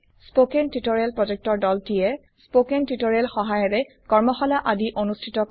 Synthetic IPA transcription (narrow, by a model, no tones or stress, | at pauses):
spokentitoɹelpɹɔd͡ʒek̚tɔɹdɔltijɛ | spokentitoɹelxɔɦajɔɹɛ | kɔɹmɔxɔlaʔadiʔonustʰitɔk